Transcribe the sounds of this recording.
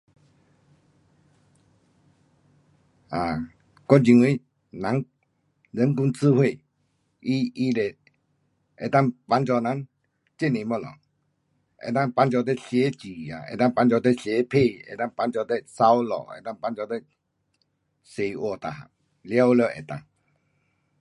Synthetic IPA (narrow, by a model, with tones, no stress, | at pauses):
a˨ | kɔ˦nt͡ɕi˧ŋwi˧˦ | nã˨˦ŋ | zə˨˦nku˧˦ŋt͡sʰɨ˥˧˦hwe˥˨ | i˧˦i˧le˨˩ | ʔɛ̰˨t̪a˥˨ŋpa˧˦nt͡ɕɔ˧na˨˦ŋ | t͡ɕe˥˨nẽ˨mɔ˧˨lɔ̰˨ | ʔɛ̰˨t̪a˥˧ŋpa˧˦nt͡ɕɔ˧t̪e˥˦ɕje˨˦t͡ɕi˨a̰˨ḛ˨t̪ã˥˧˨ŋpa˧nt͡ɕɔ˧t̪e˥˦ɕe˨˦pʰe˥˧˨ɛ̰˨t̪a˥˨ŋpa˧˦nt͡ɕɔ˧t̪ɛ˦sa˦wlɔ̰˨ɛ̰˧˨t̪a˥˧˨ŋpa˧˦nt͡ɕɔ˧t̪ɛ˦ | se˨wɔ˨˧˨t̪a˨a̰˨ | lja˦wlə˧˨ʔɛ̰˨t̪a̰˧˨ŋ